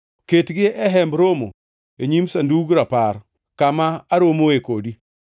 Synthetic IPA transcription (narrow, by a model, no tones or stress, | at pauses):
ketɡɪɛɦɛmbɾomo̰ | eɲimsanduɡɾapaɾ | kamaːɾomoekodi